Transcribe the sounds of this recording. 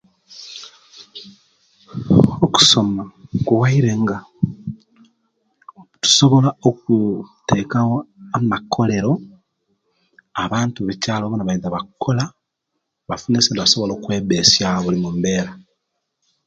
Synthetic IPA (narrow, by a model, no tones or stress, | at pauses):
oku̥so̞makuwaiɾe̞ŋɡa | tu̥so̞βo̞laok̚ute̞kawoamakʰːo̞le̞ɾo̞ | aβaːntuβicaːloβonaβaiðaβakʰːola | βafunesendoβaso̞βoloːkwe̞ːβesjaβulimumbe̞ːɾa